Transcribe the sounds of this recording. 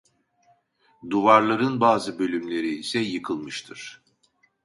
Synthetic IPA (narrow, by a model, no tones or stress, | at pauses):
d̪uvaɾlˠaɾɯnbaːzɯbø̞lʲymlʲe̞ɾiːsɛjɯkʰɯlˠmɯʃt̪ʰɯɾ̥